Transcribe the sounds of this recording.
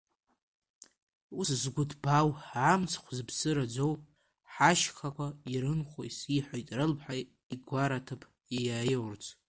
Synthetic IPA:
uszɡʷʊtʰbawamt͡sʰχʷzɨbsɨɾad͡zow | ħaʃχʰakʷʰaiɾɨnχʷoisiħʷojtʼrɨlpʰħaj | iɡʷaɾatʰɨpʰʼ | jajaːjwrt͡sʰ

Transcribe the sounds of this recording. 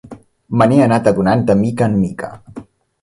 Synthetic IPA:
məneənat̪əðunand̪əmikənmikʰə̰

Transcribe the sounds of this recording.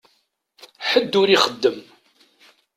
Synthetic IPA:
ħəd̪ːʊɾiχəd̪ːəm

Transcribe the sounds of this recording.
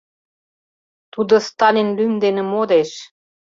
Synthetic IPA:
t̪ud̪ŏst̪ɑlʲinlymd̪enĕmod̪eʃ

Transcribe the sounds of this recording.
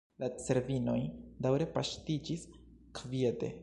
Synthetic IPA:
lat͡se̞ɾvino̞jdawɾe̞paʃtid͡ʒiskviede̞̰

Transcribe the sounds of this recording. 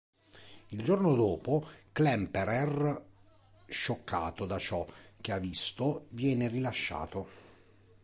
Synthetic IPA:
ild͡ʒornod̪oːpoklɛmpɛɾɛr | ʃːokːa̰ːt̪od̪at͡ʃɔk̟eavːist̪ovjɛːnerilaʃːa̰ːt̪o

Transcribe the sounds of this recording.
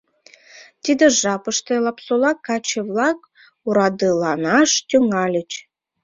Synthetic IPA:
t̪id̪ĕʒɑpə̆ʃt̪ĕlˠɑpsolˠɑkːɑt͡ɕɘvlˠɑk̚ | uɾɑd̪ɯlˠɑnɑʃt̪ʲyŋɑlʲɘ̆t͡ɕ

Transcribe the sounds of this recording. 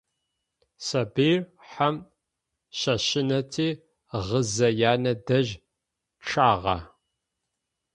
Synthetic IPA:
sɐbiːr | ħam | ɕɐɕɪnɐtʰiː | ʁəzɐjaːnɐdɐʑ | ʈ͡ʂʰaːʁɑ̰

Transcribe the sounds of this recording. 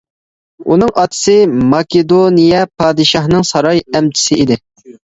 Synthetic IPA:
ṵnɨŋʔɑt̪ʰɨ̥sɨmɑkʲed̪onijɛpʰɑːd̪ɨʃɑhnɨŋsɑɾɑjɛmt͡ʃʰɪ̥sɪid̪ɪ

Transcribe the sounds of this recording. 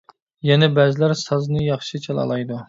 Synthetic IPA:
jɛnɛbæzɪlæɾsɑznɨjɑχʃit͡ʃʰɛlˠɑ̰lˠɑjd̪u

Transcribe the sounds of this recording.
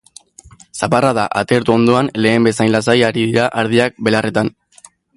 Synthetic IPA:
saparaðaʔat̪eɾt̪uo̞nd̪o̞anle̞ːmbe̞sajnlasajaɾiðiɾaʔaɾðiak̚be̞lare̞t̪an

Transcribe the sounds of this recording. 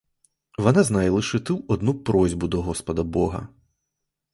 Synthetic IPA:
ʋɔnaznajlˠɨʃɛt̪ɨwɔd̪nupɾɔzʲbud̪ɔɣɔspɐd̪ɐbɔɦɐ̰

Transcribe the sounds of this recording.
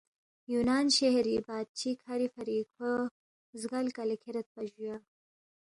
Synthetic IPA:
junɑːnʃehɾibɑːd̪̚t͡ʃʰikhaɾifaɾiko | zɡalkalɪkʰeɾat̪̚paʒuja

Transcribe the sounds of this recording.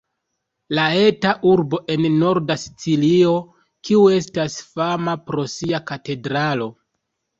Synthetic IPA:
lae̞taʔuɾbo̞ʔe̞nːo̞ɾdasi̥t͡silio̞ | kiue̞stasfamapɾo̞siakate̞dɾalo̞

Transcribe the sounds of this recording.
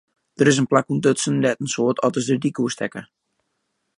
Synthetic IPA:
d̥əɾɪs̬ənplakundøtsəndɛtən̩soətʰɔtəsdədikuəstʰɛkə

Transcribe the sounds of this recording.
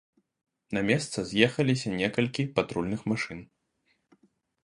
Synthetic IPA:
nɐmʲɛst̪sɐzʲjɛxɐlʲisʲɐnʲɛkɐlʲkʲipat̪ɾulʲnɨxmaʂɨn

